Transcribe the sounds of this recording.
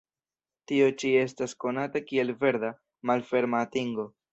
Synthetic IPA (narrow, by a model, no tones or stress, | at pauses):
tio̞t͡ʃie̞s̬tasko̞natakie̞lve̞ɾda | malfe̞ɾmaːtiŋɡo̞